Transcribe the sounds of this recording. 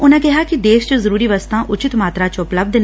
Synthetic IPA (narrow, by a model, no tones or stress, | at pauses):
ʊnẽːkɛɦaːkid̪eːʃt͡ʃəzəɾuːɾiːʋəst̪ãːʔʊt͡ʃɪt̪maːt̪ɾaːt͡ʃʊpləb̚d̪n